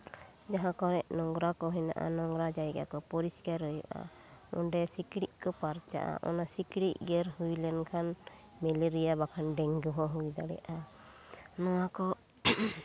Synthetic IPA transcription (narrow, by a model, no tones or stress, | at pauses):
d͡ʒaɦãkɔɾɛʔnɔŋɡɾakɔɦɛna̰ʔa̰nɔŋɡɾad͡ʒajɡa̰kɔpɔɾiskaɾɔjɔ̰ʔa̰ | ɔnɖɛsikɽiʔkɔpaɾt͡ʃa̰ʔa̰ʔɔ̰nasikɽiʔɡɛɾhujlɛnkʰan | mɛliɾijabakʰanɖɛŋɡɔɦɔɦujd̪aɽɛ̰jaʔa | nɔwakɔ